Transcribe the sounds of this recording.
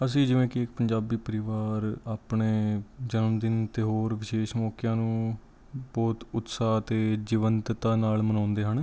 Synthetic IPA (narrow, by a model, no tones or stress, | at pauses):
əs̬ĩːd͡ʒɪʋẽːkɪɪk̚pəɲd͡ʒaːbiːpəɾɪʋaːɾaːpɳeːd͡ʒənmd̪ɪnt̪eːɦoːɾʋɪʃeːʃmɔːkjãːnũː | bɔːt̪ʊt̪saːt̪eːd͡ʒiʋənt̪t̪ãːnaːlmənãːnd̪eːɦəɳ